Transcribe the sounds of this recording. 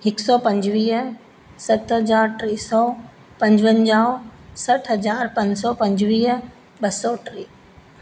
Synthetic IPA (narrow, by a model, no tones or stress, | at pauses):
hɪksɔpɐ̃ɲd͡ʑʋiːɦ | sɐt̪ɦɐzaːɾʈɾeːsɔː | pɐ̃ɲd͡ʑʋə̃nd͡ʑaːosɐʈʰɦɐzaːɾpɐ̃ɲd͡ʑsɔpɐ̃ɲd͡ʑʋiːɦ | ɓɐsɔːʈɾeː